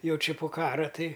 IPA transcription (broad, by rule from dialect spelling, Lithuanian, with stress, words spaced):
ˈjɛʊ ˈt͡ʃʲɪ poː ˈkɑːrɐ ˈtɐɪ